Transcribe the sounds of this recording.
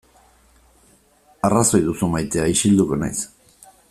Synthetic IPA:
araso̞jðusumajt̪e̞aiʃild̪uko̞na̰js

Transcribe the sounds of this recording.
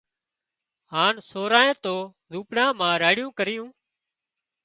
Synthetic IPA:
ɦaːnsoːɾaːẽːt̪oː | zuːpɽãːmãːɾaːɽɪjũːkəɾɪjũː

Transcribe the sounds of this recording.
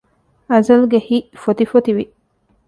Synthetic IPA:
ɐzɐlɡehiʔfot̪ifot̪iʋi

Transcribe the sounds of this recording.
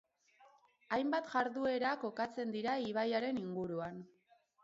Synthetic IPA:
ajmbat̪ʝaɾðue̞ɾako̞kat͡se̞nd̪iɾaiβajaɾe̞niŋɡuɾuan

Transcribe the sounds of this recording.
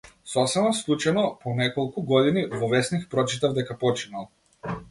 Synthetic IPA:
sɔsɛbaslˠut͡ʃanɔpɔnɛkɔlˠkuɡɔd̪inivɔvɛsnixpɾɔt͡ʃit̪avd̪ɛkapɔt͡ʃinalˠ

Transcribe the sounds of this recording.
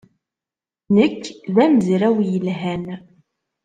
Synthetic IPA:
nəkːðæmzɾæwjəlɦæn

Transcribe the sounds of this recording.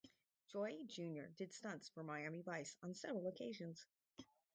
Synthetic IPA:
d̥ʒ̥ɔɪd͡ʒʉ̃njə̰˞dɨd̥stʌ̃nsfə˞maɪæmivaɪsn̩sɛvɹl̩ˠəkʰeɪʒɨ̃nz̥

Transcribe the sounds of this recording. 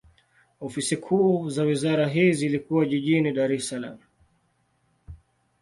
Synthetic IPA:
ɔfisikʰuːzawizaɾaɦizilikuwaʄiʄiniɗaɾɛsala̰m̩

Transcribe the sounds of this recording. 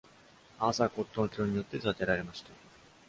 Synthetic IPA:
asako̞t̪ːonokʲiɾoɲ̟ijo̞t̪ːe̞zat̪e̞ɾaɾe̞maɕi̥t̪a

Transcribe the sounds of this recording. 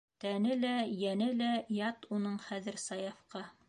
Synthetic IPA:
t̪ænɘlæjænɘlæjɑt̪unɤɴχæðɘ̆ɾsɑjɑfqɑ

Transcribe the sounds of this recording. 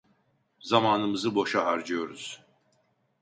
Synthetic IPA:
zamaːnɯmɯzɯbo̞ʃaɦaɾd͡ʒɯjo̞ɾuz̥

